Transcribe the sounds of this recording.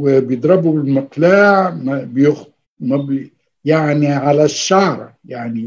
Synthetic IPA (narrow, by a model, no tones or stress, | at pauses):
bjd̪ɾˤɑbubɪlməqlaːʕmbjʊx | mæb | jaʕniʕalæʃːɑːɾˤɑjaʕni